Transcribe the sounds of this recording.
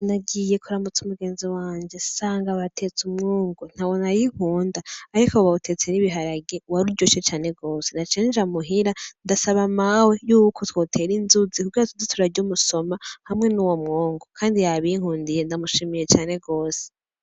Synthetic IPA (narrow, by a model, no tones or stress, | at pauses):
naɡije̞kuɾamut͡sumuɡe̞ːnziwaːɲd͡ʒe̞saːŋɡaβatʰet͡sumŋoːŋɡon̥haβo̞najihuːndaːɾikoβautʰe̞t͡seniβiɦaɾaɡewaɾuɾɟoʃet͡ʃaːne̞ɡo̞ːse̞nat͡ʃeːnd͡ʒamuɦiɾandasaβamawe̞juːkʰotwo̞ːtʰe̞ɾinzuzikuɡiːɾatuzitʰuɾaɟomuso̞mahamŋe̞nuwomŋoːŋɡokʰaːndijaβiŋ̥huːndijendamuʃimije̞t͡ʃaːne̞ɡo̞ːse̥